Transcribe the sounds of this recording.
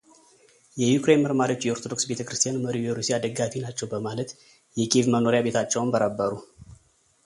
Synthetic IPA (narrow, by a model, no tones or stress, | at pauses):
jɛjukɾe̞nməɾmaɾiot͡ʃːjɛoɾt̪ʰod̪o̞ksbe̞t̪ʰəkɾɨst̪ʰijanməɾiwjɛɾusiad̪əɡafinat͡ʃːɛwbəmalət̪ | jɛkʼivməno̞ɾjabe̞t̪ʰat͡ʃːɛwnbəɾəbːəɾu